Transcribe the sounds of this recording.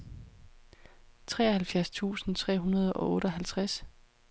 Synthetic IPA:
t͡sʰʁɛ̰ːɐhælfjæɐst͡sʰṵːsn̩t͡sʰʁɛ̰ːɦunɐð̞ˠɒ̽ʔɔ̽ːɾ̥əɒɦælt͡sʰʁas

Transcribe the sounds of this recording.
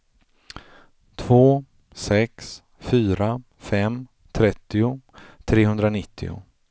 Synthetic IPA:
t̪ʰvoː | sɛks | fyːɾa | fɛm | t̪ʰɾɛt̪ːɪʊ | t̪ʰɾeːɦɵnd̪ɾanɪt̪ʰːɪ̰ʊ̰

